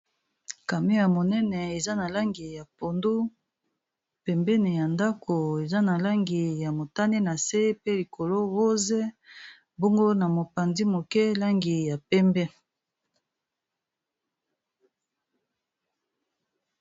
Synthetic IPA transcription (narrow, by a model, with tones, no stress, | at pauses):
ka˨me˦ja˨mo˨nɛ˦nɛ˨e˨za˦na˨la˦ŋɡi˨ja˨po˨ndu˦ | pɛ˨mbɛ˦ne˨ja˨nda˦kʰo˨e˨za˦na˨la˦ŋɡi˨ja˨mo˨ta˦ne˦na˨se˦pe˦li˨kʰo˨lo˦ɣo˦ze˦ | bo˦ŋɡo˦na˨mo˨pa˨ndi˦mo˨kɛ˦la˦ŋɡi˨ja˨pɛ˦mbɛ˦